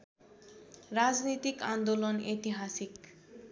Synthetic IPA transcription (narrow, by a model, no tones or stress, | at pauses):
ɾad͡ʒnit̪ikand̪olonet̪iɦasik